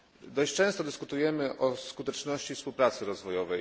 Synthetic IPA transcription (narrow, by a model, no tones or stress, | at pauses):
d̪ɔɕt͡ɕt͡ʂɛ̃w̃st̪ɔd̪ɘskut̪ujɛmɘʔɔskut̪ɛt͡ʂnɔɕt͡ɕifspuwpɾat̪sɘɾɔzvɔjɔvɛ